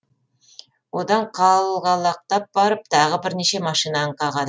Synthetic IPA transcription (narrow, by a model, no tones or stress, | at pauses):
wo̞d̪ɑɴqʰɑlˠʁɑlˠɑq̚t̪ɑp̚bɑɾəp̚t̪ʰɑʁəbɪɾneʃe̞mɑʃijnɑɴqʰɑʁɑd̪